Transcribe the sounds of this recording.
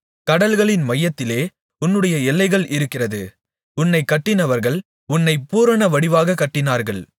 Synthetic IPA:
kɐɽɐlɣɐɭɪnmɐjːɐt̪ːɪleː | ʊnːɯɽɐjɐɛlːɐɪɣɐɭʔɪɾɯkːɪrɐðɯ | ʊnːɐɪkːɐʈːɪnɐʋɐɾɣɐɭ | ʊnːɐɪpuːɾɐɳɐʋɐɽɪʋaːɣɐkːɐʈːɪnaːɾɣɐɭ

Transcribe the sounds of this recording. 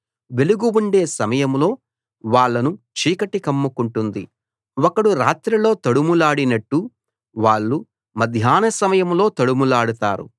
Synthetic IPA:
ʋe̞luɡuwuɳɖe̞ːsɐmɐjɐmlo̞ː | ʋaːɭːɐnut͡ʃiːkɐʈikɐmːukuɳʈund̪ḭ | wɔkɐɽuɾa̰ːt̪ɾɐlo̞ːt̪ɐɽumulaːɽinɐʈːu | ʋaːɭːu | mɐd̪ʱjaːnɐsɐmɐjɐmlo̞ːt̪ɐɽumulaːɽut̪aːɾṵ

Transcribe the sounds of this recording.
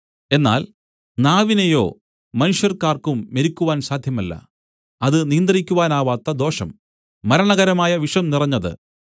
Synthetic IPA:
e̞nːa̰ːl | naːʋinejo̞ː | mɐnuʂjɐrkaːrkumːeɾikʲːuʋaːnsaːd̪ʱjɐmɐlːɐ̰ | ɐðɨnijɐnd̪ɐrikʲːuʋaːnaːʋaːt̪ːɐd̪o̞ːʂɐ̰mː | ɐɾɐɳɐɣɐɾɐmaːjɐʋiʂɐmnirɐɲːɐðɨ̰

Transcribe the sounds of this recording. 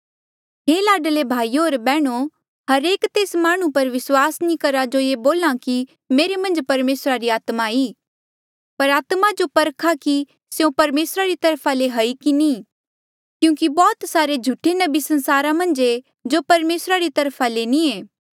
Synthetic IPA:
ɦeːlaːɖəlebʱaːijoːɾbɛːɽ̃o | hɐɾeːkt̪eːsmaːɽ̃ũpɐɾʋɪswaːsnĩkɐɾad͡ʒojeboːlãki | meːɾemɐ̃nd͡ʒpɐɾmeːsɾaɾiaːt̪maiː | pɐɾaːt̪mad͡ʒopɐɾkʰaki | seõpɐɾmeːsɾaɾit̪ɐɾpʰaleɦɐikini | kjũːkibɔːt̪saːɾed͡ʒʱuʈʰenɐbisɐ̃nsaːɾamɐ̃nd͡ʒe | d͡ʒopɐɾmeːsɾaɾit̪ɐɾpʰalenĩeː

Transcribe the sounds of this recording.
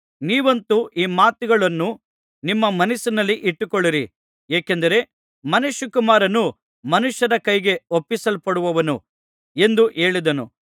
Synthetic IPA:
niːʋɐnt̪uʔiːmaːt̪uɡɐɭɐnːu | nimːɐmɐnisinɐlːiʔiʈːukɔɭːiɾi | eːkend̪ɐɾe̞ | mɐnuʃːɐkumaːɾɐnu | mɐnuʃjɐɾɐkɐjɡe̞opːisɐlpɐɽuʋɐʋɐnu | e̞nd̪uʔe̞ːɭid̪ɐnṵ

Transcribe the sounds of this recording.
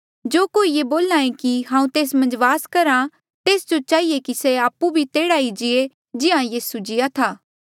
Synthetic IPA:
d͡ʒoːkoːijeboːlãːẽkiɦãːũt̪eːsmɐ̃nd͡ʒʋaːskɐɾa | t̪eːsd͡ʒot͡ʃaːiekiseaːpːubʱit̪eːɽaːid͡ʒɪe | d͡ʒɪãjiːsud͡ʒɪjat̪ʰaː

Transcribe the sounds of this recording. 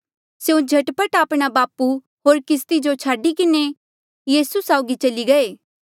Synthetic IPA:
sjũd͡ʒʱɐʈpəʈaːpɽ̃abaːpu | ɦoːɾkɪst̪id͡ʒot͡ʃʰaːɖikɪne | jiːsusaːʊɡit͡ʃɐliɡɐeː

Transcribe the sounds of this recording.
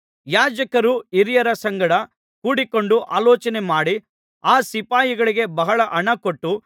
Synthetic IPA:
jaːd͡ʒɐkɐɾuiɾijɐɾɐsɐŋɡɐɽɐ | kuːɽiko̞ɳɖuʔa̰ːlɔːt͡ʃɐnemaːɽi | aːsipaːjiɡɐɭiɡe̞bɐɦɐɭɐʔɐɳɐkoʈːu

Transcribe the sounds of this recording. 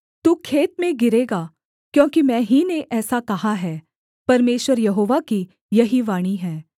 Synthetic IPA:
t̪uːkʰeːt̪̚mẽɡɪɾeːɡaː | kjõːkimɛ̃ːɦineʔɛːsakɐɦaɦɛː | pɐɾmeːʃʋəɾjɐɦoːʋaki | jɐɦiʋaːɽ̃iɦɛː

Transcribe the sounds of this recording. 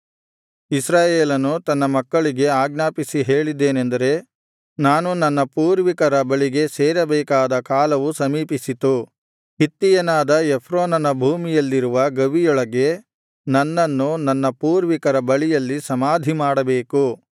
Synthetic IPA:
isɾaːjeːlɐnut̪ɐnːɐmɐkːɐɭiɡe̞aːɡnaːpisiɦe̞ːɭid̪ːe̞ːnend̪ɐɾe̞ | naːnunɐnːɐpuːɾʋikɐɾɐbɐɭiɡe̞seːɾɐbɛːkaːd̪ɐkaːlɐʋusɐmiːpisit̪u | ɦit̪ːijɐnaːd̪ɐepʰɾoːnɐnɐbʱuːmijɐlːiɾuʋɐɡɐʋijɔɭɐɡe̞ | nɐnːɐnːunɐnːɐpuːɾʋikɐɾɐbɐɭijɐlːisɐmaːd̪ʱimaːɽɐbe̞ːku

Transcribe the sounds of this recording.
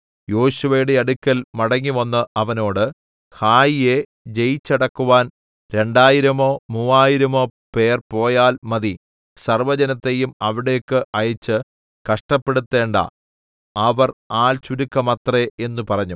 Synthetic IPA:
jo̞ːɕuʋɐjuɽe̞ɐɽukʲːɐlmɐɽɐŋːiʋɐnːɨʔɐʋɐno̞ːɽɨ | haːjije̞ | d͡ʑe̞jit͡ɕːɐɽɐkːuʋaːn | ɾe̞ɳɖaːjiɾɐmo̞ːmuːaːjiɾɐmo̞ːpe̞ːrpo̞ːjaːlmɐði | sɐrʋɐd͡ʑɐnɐt̪ːe̞jumɐʋiɽe̞jkːɨʔɐjɐt͡ɕːɨ | kɐʂʈɐpːe̞ɽut̪ːe̞ːɳɖɐ̰ | ɐʋɐraːlt͡ɕuɾukːɐmɐt̪ree̞nːupɐrɐɲːu

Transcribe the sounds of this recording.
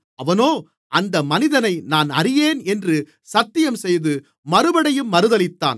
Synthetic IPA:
ɐʋɐnoː | ʔɐnd̪ɐmɐnɪðɐnɐɪnaːnɐrɪjeːnɛndrɯ | sɐt̪ːɪjɐmsɛjðɯ | mɐɾɯbɐɽɐjɯmːɐɾɯðɐlɪt̪ːa̰ːn

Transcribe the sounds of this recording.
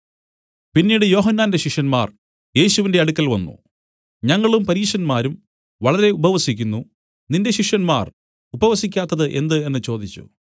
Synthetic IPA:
pinːiːɽɨjo̞ːɦɐnːaːnde̞ɕiʂjɐnmaːr | je̞ːɕuʋinde̞ɐɽukːɐlʋɐnːṵ | ɲɐŋːɐɭumpɐɾiːʂɐnmaːɾum | ʋɐɭɐɾe̞ubɐʋɐsikʲːunːu | ninde̞ɕiʂjɐnma̰ːr | ubɐʋɐsikʲːaːt̪ːɐðɨʔe̞nd̪ɨe̞nːɨt͡ɕo̞ːd̪it͡ɕːṵ

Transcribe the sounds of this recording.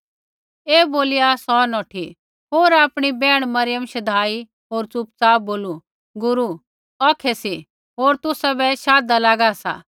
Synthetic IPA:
eːboːlɪjasɔnɔːʈʰi | ɦoːɾaːpɽ̃ibɛːɽ̃mɐɾɪjəmʃɐd̪ʱaːi | ɦoːɾt͡sʊp̚t͡saːboːlu | ɡʊɾu | ɔːkʰɛsi | ɦoːɾt̪ʊsabɛʃaːd̪alaːɡasa̰ː

